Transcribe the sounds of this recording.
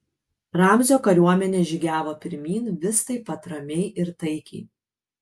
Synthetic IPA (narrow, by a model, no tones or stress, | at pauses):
ɾɑmʲzʲoːkɐɾʲuɔmʲɛnʲeːʒʲɪɡʲæːʋoːpʲɪɾʲmʲiːnʋʲɪst̪ɐɪpːɐt̪ɾɐmʲɛɪʔɪɾt̪ɐɪkʲɛɪ